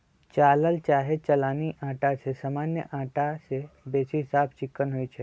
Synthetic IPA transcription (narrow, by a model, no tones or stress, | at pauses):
t͡ʃaːləlt͡ʃaːɦet͡ʃɐlaːniʔãːʈat͡ʃʰesaːmaːnjə̰ʔãːʈasebeːsiɦɪsaːpʰt͡ʃɪkːənɦoit͡ʃʰe